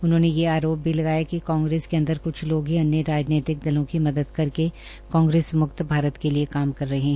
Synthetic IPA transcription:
ʊnɦõːnejeaːɾoːp̚bʱilɐɡaːjakikãːŋɡɾeːskeɐ̃nd̪əɾkʊt͡ʃʰloːɡɦẽɐnːeɾaːd͡ʒneːt̪ɪk̚d̪ɪlõkimɐd̪əd̪kɐɾke | kãːŋɡɾeːsmʊkt̪bʱaːɾət̪keliekaːmkɐɾːɐɦeɛɦɛ̃

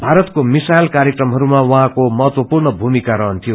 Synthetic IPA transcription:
bʱaɾʌt̪komisajlkaɾjekrʌmɦʌɾumawʌɦãkomʌɦʌt̪wʌpurnʌbʱumikaɾʌɦʌnt̪ʰijo

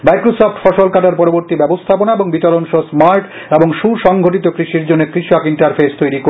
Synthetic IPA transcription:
majkɾosofʈfɔʃolkaʈaɾpɔɾoboɾt̪ibɛbost̪ʰaponaeboŋbit̪oɾonʃosmaɾʈ | eboŋʃuɾʃɔŋɡʱoʈit̪okɾiʃiɾd͡ʑonːekɾiʃakiɳʈaɾfʰest̪ojɾiko

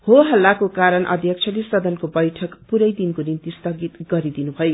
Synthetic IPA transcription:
hoɦʌlːakokaɾʌnʔʌ̰d̪ʱjʌkt͡sʰʌlesʌd̪ʌnkobʌjʈʰʌkpuɾʌjd̪inkonint̪ist̪ʌɡit̪ɡʌɾid̪inubʱʌjo

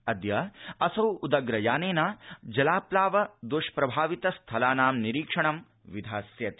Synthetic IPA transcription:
ɐd̪jɐɐsɐwud̪ɐɡɾɐjaːneːnad͡ʒɐlaːplaːʋɐd̪uʃpɾɐbʱaːʋit̪ɐst̪ʰɐlaːnaːmniɾiːkʂɐɳɐm | ʋid̪ʱaːsjɐt̪

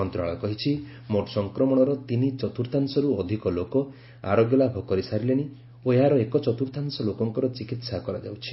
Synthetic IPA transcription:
ɔnt̪ɾaɭɔkɔɦit͡ʃʰi | moʈɔsɔŋkɾɔmɔɽ̃ɔɾɔt̪init͡ʃɔt̪uɾt̪ʰansɔɾuɔd̪ʱikɔlokɔ | a̰ɾoɡjɔlabʱɔkɔɾisaɾileɽ̃i | oeɦaɾɔekɔt͡ʃɔt̪uɾt̪ʰansɔlokɔŋkɔɾɔt͡ʃikit̪sakɔɾa̰d͡ʒa̰wt͡ʃʰi̥

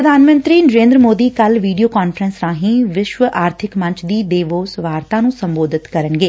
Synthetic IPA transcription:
əd̪ʱaːnmə̃nt̪ɾiːnəɾẽːnd̪ɾəmoːd̪iːkəlʋiːɖijoːkaːnfʰəɾənsɾãːɦĩːʋɪʃʋəʔaːɾt̪ʰɪkmɐ̃ɲt͡ʃʰd̪iːɖeːʋoːsʋaːɾt̪ãːnũːsə̃mboːd̪ʱɪt̪kəɾənɡeː

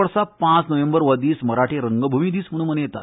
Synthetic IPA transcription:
əɾsapãt͡snəʋẽmbəɾʋəd̪iːsməɾaʈʰeɾəŋɡəbʱumiːd̪iːsm̤əɽ̃ũːnmənejet̪at̪

